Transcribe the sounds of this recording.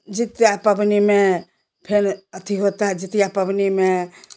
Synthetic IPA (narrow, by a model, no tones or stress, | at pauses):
d͡ʒit̪japəbnime | pʰenət̪ʰiɦot̪aɦɛd͡ʒit̪japəbnime